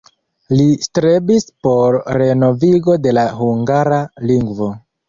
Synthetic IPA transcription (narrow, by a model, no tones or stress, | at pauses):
listɾebispo̞ɾːe̞no̞viɡo̞de̞lahuŋɡaɾaliŋɡvo̞